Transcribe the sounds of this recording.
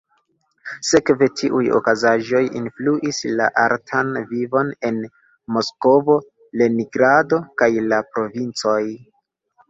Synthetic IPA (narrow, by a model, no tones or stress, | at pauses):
sekve̞tʰiʔujo̞̰kazaʒo̞jḭnfluʔisla̰ʔaɾtʰanvivo̞ne̞n | mo̞sko̞vo̞ | leniɡɾado̞kajlapɾo̞vint͡so̞j